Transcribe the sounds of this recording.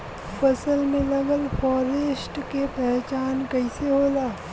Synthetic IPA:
pɐsəlmẽlɐɡəlfʰɔːɾesʈkepɛɦt͡ʃaːnkɐiseɦoːlaː

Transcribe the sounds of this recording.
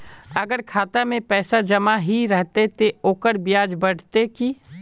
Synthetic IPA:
ɐɡəɾkʰaːt̪amẽpɛːsad͡ʒɐmaɦiɾɛɦt̪et̪eoːkəɾbɪjaːd͡ʒbəɽ̤t̪eki

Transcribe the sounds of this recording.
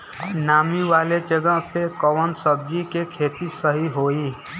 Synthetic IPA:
naːmiʋaːled͡ʒəɡəɦpʰekəʋənsəb̚d͡ʒikekʰeːt̪isəɦiɦoːi

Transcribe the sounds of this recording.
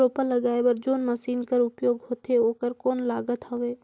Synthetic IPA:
oːpəlɐɡaːebɐɾd͡ʒoːnməsiːnkəɾʊpjoːɡɦoːt̪eoːkəɾkoːnlaːɡət̪oʋeː

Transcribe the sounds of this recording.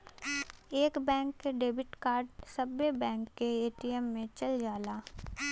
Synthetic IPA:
eːkbɛ̃ːŋkːeɖeːbɪʈkaːɾɖsɐbːebɛ̃ːŋkːeeːʈiɛmːẽt͡ʃɐld͡ʒaːlaː

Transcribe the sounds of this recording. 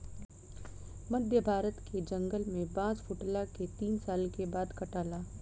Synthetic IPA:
mɐd̪ʱjəbʱaːɾət̪kʰed͡ʒɐ̃ŋɡəlmẽpãːt͡ʃpʰʊʈlaket̪iːnsaːlkebaːd̪kɐʈaːlaː

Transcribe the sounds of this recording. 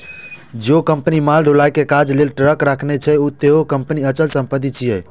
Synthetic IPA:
d͡ʒokəmpənimalɖʱulajkekad͡ʒlelʈɾəkɾakʰnɛt͡ʃʰɛut̪eɦokəmpəniət͡ʃəlsəmpət̪ːit͡ʃʰijɛ

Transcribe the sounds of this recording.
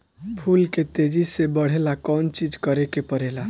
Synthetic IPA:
bʱulket̪ed͡ʒisebəɽ̤elakɔnt͡ʃid͡ʒkəɾekepəɾela

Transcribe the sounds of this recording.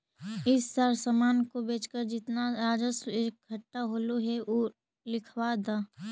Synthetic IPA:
ɪsːaːɾsəmaːnkobeːt͡ʃkəɾd͡ʒɪt̪naɾaːd͡ʒəseːk̚ɡʱɐʈːaɦoːloɦɛʔo | lɪkʰʋaːd̪aː

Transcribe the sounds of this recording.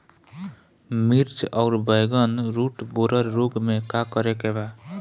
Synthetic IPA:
miɾt͡ʃʌwɾbʌjɡʌnɾuʈboɾʌɾːoɡmekakʌɾekeba

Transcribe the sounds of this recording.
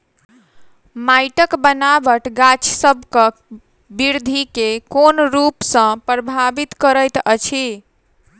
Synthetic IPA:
majʈəkbənabəʈɡat͡ʃʰsəbʱkə | biɾd̪ʱikekonɾupsə̃pɾəbʱabit̪kəɾəjt̪ət͡ʃʰi

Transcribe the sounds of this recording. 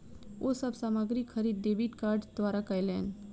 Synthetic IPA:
ʔosɐbsaːmaɡɾikxʰəɾiːd̪̚ːeːbiʈkaːɾɖd̪ʋaːɾakajlɛːɳɖ

